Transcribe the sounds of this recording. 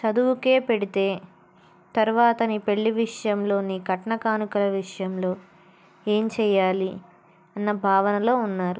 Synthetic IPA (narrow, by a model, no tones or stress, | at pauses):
t͡ʃɐd̪uwuke̞ːpe̞ɽit̪e̞ː | t̪ɐɾuʋaːt̪ɐnipe̞ɭːiʋiʂɐjɐmlo̞ːniːkɐʈɐɳɐkaːnukulɐʋiʂɐjɐmlo̞ː | eːɲt͡ʃɛːjaːli | ɐnːɐbʱaːʋɐnɐlo̞ːunːaːɾu